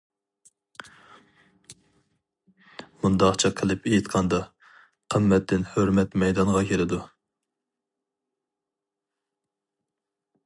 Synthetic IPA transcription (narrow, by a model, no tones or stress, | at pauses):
mund̪ɑqt͡ʃʰɑqʰəlˠɨpejit̪qʰɑnd̪ɑ | qʰəmːɛt̪ʰːɪnhøɾmɛt̪mɛjd̪ɑnʁɑkʲʰeɾɪd̪u